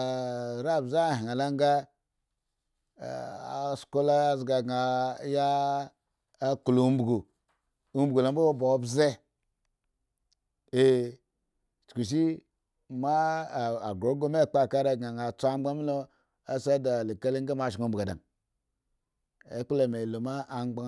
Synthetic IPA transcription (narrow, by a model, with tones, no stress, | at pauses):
ɾa˦˨bza˦˨ɦi˨a˨la˦ŋ˦ɡa˦˨ | a˨sko˦la˦a˨zɡa˨ɡa˨ja˦ | ku˨lo˨u˦m̩˦bɡo˨ | u˦m̩bɡo˨lo˨˦bo˦o˦bo˨˦bze˦ | e˨ | t͡ʃku˨ʃ̬i˦ | ma˦˨a˨ɡɾo˨˦ɡo˦me˦˨k͡pa˦˨ka˦ɾa˨ɡa˨ŋa˨t͡sʷa˦a˦mi˦lo˦ | a˦sa˦da˨li˨ka˦li˦ŋ˦ɡa˦ma˦˨ʃi˨u˨m̩˦bɡa˨da̰˨ŋ | ḛ˦k͡pu˦lo˨me˨lo˨ma˦a˨ŋ͡mɡ͡ba˦